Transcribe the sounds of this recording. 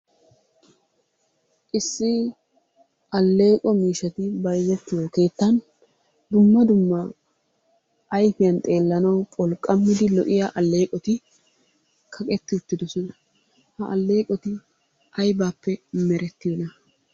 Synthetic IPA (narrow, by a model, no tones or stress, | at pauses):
ʔɪsːɪ | ʔɐlːe̞ːkʼɔmiːʃɐt̪ɪbɐjzɛt̪ːɪjoke̞ːt̪ːɐn | d̪ʊmːɐd̪ʊmːɐ | ʔːjfɪjɐnt̪ʼe̞ːlːɐnɐwpʼɔlkʼːɐmːɪd̪ɪlɔʔɪjaʔɐlːe̞ːkʼɔt̪ɪ | kʰɐkʼɛt̪ːɪʊt̪ːɪd̪ɔsɔnɐ | hɐʔɐlːe̞ːkʼɔt̪ɪ | ʔɐjbaːpːɛmɛɾɛt̪ːɪjɔnɐ